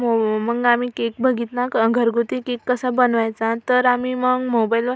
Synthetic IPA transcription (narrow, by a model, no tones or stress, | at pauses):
oməɡamikek̚bʱəɡit̪nakəɡʱəɾɡʱut̪ikekːəsabənʋajt͡sãt̪əɾamiməɡmobajilʋa